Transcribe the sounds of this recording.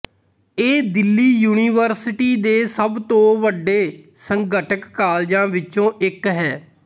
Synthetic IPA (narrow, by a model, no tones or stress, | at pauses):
eːd̪ɪlːiːjuːniːʋəɾsɪʈiːd̪eːsəbt̪õːʋəɖːeːsəŋɡəʈəkːaːld͡ʒãːʋɪt͡ʃõːʔɪkɦɛː